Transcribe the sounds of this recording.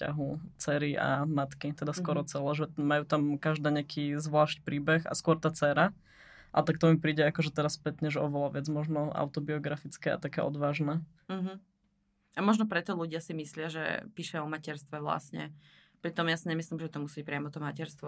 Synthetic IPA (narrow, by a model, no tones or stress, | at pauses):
ca̰ɦut͡sɛːɾiʔa̰mat̪kit̪ɛd̪askɔɾɔt͡sɛlɛːʒɛmajuːt̪amkaʒd̪aːɲɛakʰiːzʋlaːʃcpɾiːbɛxa̰skʊɔɾt̪aːt͡sɛːɾa | ʔa̰t̪ak̚t̪ɔmipɾiːɟɛakɔʒɛt̪ɛɾaspɛt̪ɲɛʒɛɔ̰ʋɛlaʋɛd͡zmɔʒnɔa̰ʊt̪ɔbiɔɡɾafit͡skɛa̰t̪akɛːʔɔ̰d̪ʋaːʒnɛː | m̩ɦ̩ | amɔʒnɔpɾɛt̪ɔluɟɪasimislɪaʒɛ̰piʃaɔmacɛɾst̪ʋɛʋla̰sɲɛ̰ | pɾit̪ɔmjasiɲɛmislimʒɛt̪ɔmusic̚pɾɪamɔt̪ɔmacɛɾst̪ʋɔ